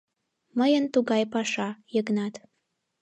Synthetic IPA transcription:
məjənt̪uɣɑjpɑʃɑjəɡnɑt̪

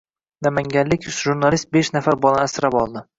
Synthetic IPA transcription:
namaŋɡʲanlɪkʲʒuɾnalist̪̚beʃnafaɾbɒlˠaasɾapɒlˠd̪ɪ

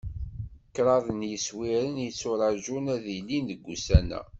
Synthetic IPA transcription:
kːɾˤɑðˤənjəswiɾənjit͡sːʊɾˤɑʒunæðilːinðəɡʷːusænæ̰

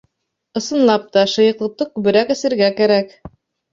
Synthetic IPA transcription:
ɤ̆sɤ̆nlˠɑp̚t̪ɑʃɤ̆jɤ̆qlˠɤ̆t̪ːɤkʉbɘ̆ɾækɘ̆sɘ̆ɾɡækæɾæk

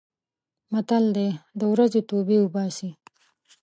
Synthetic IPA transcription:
mat̪ald̪ed̪əwɾazot̪obiubɑsi

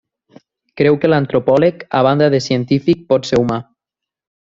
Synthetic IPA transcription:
kɾɛwkelant̪ɾopɔleka̰β̞and̪aðesiənt̪ifik̚pɔt̪seɾuma

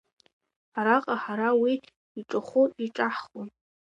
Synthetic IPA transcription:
aɾaqʼaħaɾawiː | ʈ͡ʂʼɨχʷuiʈ͡ʂʼaħχʊn

